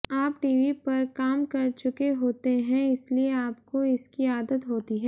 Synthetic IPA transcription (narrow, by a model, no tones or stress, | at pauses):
aːpʈiːʋipɐɾkaːmkɐɾt͡ʃʊkeɦoːt̪eɦɛ̃ɪslieaːp̚koɪskiaːd̪ət̪ɦoːt̪iɦɛː